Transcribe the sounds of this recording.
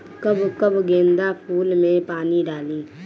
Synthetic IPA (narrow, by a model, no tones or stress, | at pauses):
kəbkəbɡẽːnd̪apʰuːlmẽpaːniɖaːlĩː